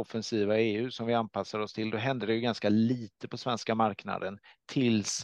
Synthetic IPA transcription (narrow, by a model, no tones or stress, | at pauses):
ɔfɛnsiːvaeːʉ̟sɔmvɪanpʰasːaɾɔst̪ʰɪld̪ɔɦɛnd̪əɖɛjɵɡanskaliːt̪əpʰɔsvɛnskamaɾkna̰d̪ənt̪ʰɪls